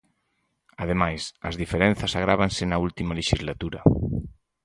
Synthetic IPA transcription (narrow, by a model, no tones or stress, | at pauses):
að̞emajsɐzðifeɾẽn̟θɐsaɣ̞ɾaβ̞ansenault̪imaleʃizlat̪uɾɐ